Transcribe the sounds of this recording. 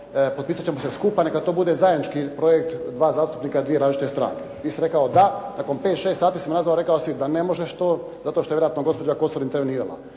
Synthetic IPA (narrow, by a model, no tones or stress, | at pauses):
pot̪̚piːsat͡ɕe̞moseskupanekat̪o̞ːbud̪e̞zaed̪nit͡ʃkipɾo̞jek̚t̪d̪ʋaːzaːst̪u̥pnikad̪ʋieɾaːzʒt͡ʃit̪est̪ɾa̰ːŋket̪iːsiɾe̞kaod̪anako̞mpet̪ʃe̞ːst̪saːt̪iːsimnazʋaloɾe̞kaosid̪anemo̞ʒeʃt̪oː | zat̪oʃt̪o̞ejeɾat̪noɡo̞spo̞d͡ʑako̞soɾint̪eɾʋeniːɾalˠa̰